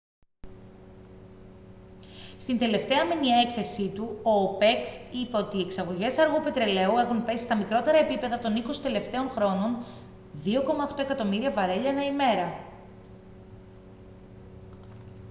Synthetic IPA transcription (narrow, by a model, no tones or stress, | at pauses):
st̪ind̪e̞le̞ft̪e̞ɐmenie̞kθe̞sit̪uo̞ːpe̞kipeo̞t̪iːeksɐɣo̞ʝe̞sɐɾɣupe̞t̪ɾe̞le̞ue̞xunpe̞si̥st̪ɐmikɾo̞t̪e̞ɾɐe̞pipe̞ðɐt̪o̞niko̞si̥t̪e̞le̞ft̪e̞o̞nxɾo̞no̞n | ðio̞ko̞mɐoxt̪o̞ekɐt̪o̞miɾiɐvɐɾe̞ʎɐnɐime̞ɾɐ